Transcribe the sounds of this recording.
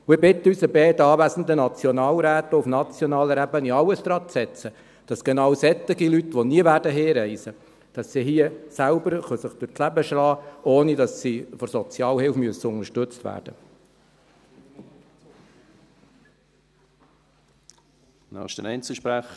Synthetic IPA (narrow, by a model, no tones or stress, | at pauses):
ʊɪbɪt̪əyːsəbɛːdɑːʋæsən̩d̪ənɑt͡sjɔnɑːlɾæːt̪əufnɑt͡sjɔnɑːləɾæbəniɑləsd̥̪ɾɑːt͡sɛt͡sə | d̥ɑsɡ̥enɑːwsɛt̪ːɪɡilytʋɔniəʋæːɾdəɦeːɾɛɪsə | d̥ɑsːiɦiəsælbəɾχœsəχd̥ʊɾt͡sslæbəʃlɑːoːnidɑsːifɔɾsɔt͡sjɑːlhɪlfmyəsəʊŋəʃtɵt͡stʋæ̰ːɾd̥ə̰ | nɑ̰χʃdənɛɪnt͡səʃpɾæχ